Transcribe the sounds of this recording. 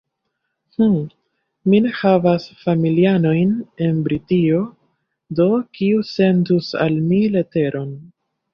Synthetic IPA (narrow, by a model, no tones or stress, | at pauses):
h̩ | mine̞havasfamiliano̞jne̞nbɾitio̞ | do̞kiuse̞ndusa̰lmile̞te̞ɾʔo̞n